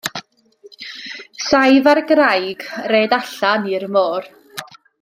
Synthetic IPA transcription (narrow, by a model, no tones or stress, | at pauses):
sajvarɡrajɡ̥reːdaɬanirmoːr